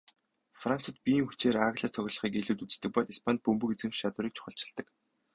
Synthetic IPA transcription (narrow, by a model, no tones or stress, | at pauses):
fran̥t͡sə̆t̪̚pijiːŋxut͡ɕeːɾaɣɮaːst̪ʰœɣ̆ʲɮɞ̆χiːkeɮuːt̪ut͡s̆t̪ɘ̆k̚pɔt̪ispʰant̪̚pɵmpɵ̆ket͡sɘ̆mt͡ɕʃat̪ʊːɾiːk̚t͡ɕʰʊ̥χə̆ɬt͡ɕɪ̆ɮt̪ə̆k